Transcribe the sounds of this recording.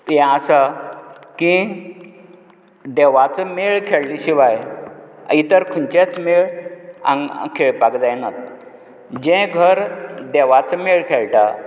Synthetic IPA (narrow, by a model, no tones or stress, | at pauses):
ɛ̃asa | kĩ | d̪eʋat͡səmeɭkʰeɭliɕiʋajə̰it̪əɾkʰunt͡ɕet͡smeɭã̰ŋkʰeɭpakd͡zajnat̪ | d͡ʑẽɡʱəɾd̪eʋat͡səmeɭkʰeɭʈa